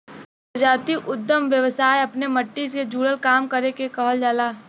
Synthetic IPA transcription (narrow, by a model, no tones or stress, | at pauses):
d͡ʒaːt̪iʔʊd̪ːəmʋjəʋsaːjɐpnemɐʈːisked͡ʒuːɽəlkaːmkɐɾekekɔɦəld͡ʒaːlaː